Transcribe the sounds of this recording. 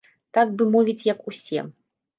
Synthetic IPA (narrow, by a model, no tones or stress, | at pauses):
t̪aɡ̚bɨmɔvʲit͡sʲjɐkusʲɛ̰